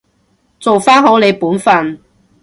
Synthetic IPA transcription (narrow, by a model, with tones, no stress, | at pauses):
t͡so˨wfaː˥nɦo˨˥wle˨˧jpuː˨˥nfɐ˨n